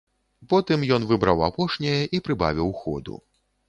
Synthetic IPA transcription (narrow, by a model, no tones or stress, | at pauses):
pɔt̪ɨmjɔn̪vɨbɾawapɔʂnʲɛjɐʔipɾɨba̰vʲiwxɔ̰d̪ṵ